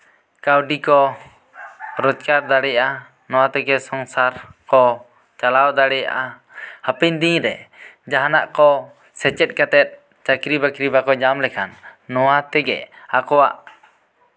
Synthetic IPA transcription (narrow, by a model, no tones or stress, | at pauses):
kawɖikɔ | ɾɔd͡ʒkaɾd̪aɽɛjaʔa | nɔwat̪ɛɡɛsɔŋsaɾkɔ | t͡ʃalawd̪aɽɛja̰ʔa | hapɛɲd̪iɲɾɛd͡ʒaɦanaʔkɔ | sɛt͡ʃɛt̪̚ˀkat̪ɛt̪̚ | t͡ʃakɾibakɾibakɔd͡ʒamlɛkʰanːɔwat̪ɛɡɛ̰akɔwa̰ʔ